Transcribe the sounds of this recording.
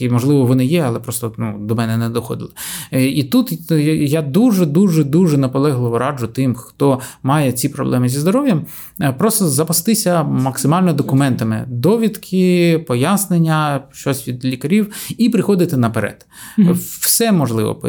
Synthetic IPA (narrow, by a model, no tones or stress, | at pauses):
imɔʒlˠɪʋɔʋɔnɪjɛɐlˠɛpɾɔst̪ɔnud̪ɔmɛnɛnɛd̪ɔxɔ̰d̪ɪ̰lˠɪit̪ut̪jad̪uʒɛd̪uʒɛd̪uʒɛnɐpɔlˠɛɦlˠɪʋɔɾʔɑd͡ʒʊt̪ɪmxt̪ɔmɑjɛt͡sʲipɾɔ̰blˠɛmɪzʲizd̪ɔɾɔʋʲjɐm | pɾɔst̪ɔzɐpɐst̪ɪsʲɐmɐksɪmɑlʲnɔd̪ɔkʊmɛnt̪ɐmɪ̰d̪ɔʋʲit̪kʰɪpɔjasnenʲːɐʃt͡ʃɔsʲʋʲid̪lʲikɐɾʲiwipɾɪxɔd̪ɪt̪ɪnɐpeɾɛ̰d̪̥ | wsɛmɔʒlˠɪ̰ʋɔ̰